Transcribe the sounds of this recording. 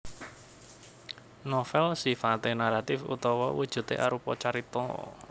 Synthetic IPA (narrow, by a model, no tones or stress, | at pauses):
nɔfɛlsifat̪enaɾat̪ɪfṵt̪ɔwɔwud̥ʒ̥ṳt̪eʔa̰ɾupɔt͡ʃaɾit̪ɔ̰